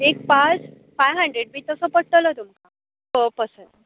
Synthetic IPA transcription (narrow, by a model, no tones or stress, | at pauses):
ek̚pat͡s | fajɦəɳɖɾeɽ̚biːt̪əsəːpəɽʈələt̪umka | pəpəsə